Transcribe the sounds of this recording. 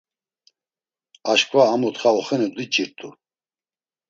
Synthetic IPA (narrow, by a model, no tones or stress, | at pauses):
aʃkʼvaːmɔt̪χaɔχɛnɛd̪it͡ʃʼiɾt̪ʼu